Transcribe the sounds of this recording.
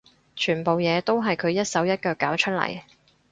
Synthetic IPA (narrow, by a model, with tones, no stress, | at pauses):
t͡ʃʰyː˨˩npo˨wjɛː˨˧t̪o˥wɦɐ˨jkʰɵ˨˧ɥjɐ˥t̚sɐ˨˥wjɐ˥t̚kœː˧kːaː˨˥wt͡ʃʰɵ˥t̚lɐ̰˨˩j